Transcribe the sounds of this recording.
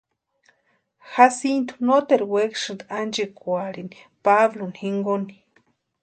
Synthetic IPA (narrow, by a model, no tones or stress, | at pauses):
hasint̪u̥not̪eɾwekʂɨnd̪and͡ʒikʷaɾin | paβlonhiŋɡoni